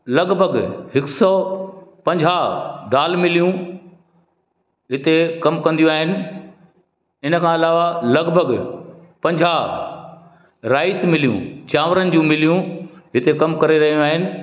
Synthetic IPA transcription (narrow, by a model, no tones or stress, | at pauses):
lɐɡbʱəɡɦɪksɔːpɐ̃ɲd͡ʑʱaɖaːlmɪlijũ | ɦɪt̪ekɐmkɐ̃nd̪jũaːɦɪnɪ̆ | ɪnəkʰãɐlaːʋalɐɡbʱəɡ | pɐ̃ɲd͡ʑʱa | ɾaːɪsmɪlijṵ̃t͡ɕaːʋɾənɪ̆d͡ʑũmɪlijũɦɪt̪ekɐmkɐɾeɾɐɦijũaːɦɪnɪ̆